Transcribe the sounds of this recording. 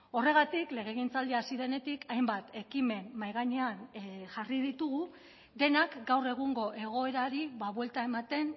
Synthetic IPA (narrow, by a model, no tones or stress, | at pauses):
o̞re̞ɣ̞at̪ikle̞ɣ̞e̞ɣ̞int͡sald̪iasiðe̞ne̞t̪ikajmbat̪e̞kime̞nmajɣaɲeanʝariðit̪uɣ̞u | d̪e̞nakɡawre̞ɣ̞uŋɡo̞ʔe̞ɣ̞o̞e̞ɾaɾiβaβwe̞lt̪ae̞mat̪e̞n